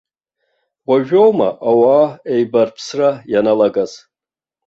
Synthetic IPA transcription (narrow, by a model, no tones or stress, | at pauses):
wʷaʒᶣowma̰ʔawaːejbarpʰsrajanalaɡaz